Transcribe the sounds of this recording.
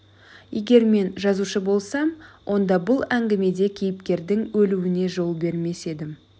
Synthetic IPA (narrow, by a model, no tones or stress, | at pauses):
je̞ɡʲe̞ɾme̞nʒɑzuʃəbo̞lˠsɑmwʔo̞nd̪ɑbʊlˠæŋɡʲɪme̞d̪e̞kʲʰe̞jɪpkʲe̞ɾd̪ɪŋwɵluwɪne̞ʒo̞lˠbe̞ɾme̞se̞d̪ɪm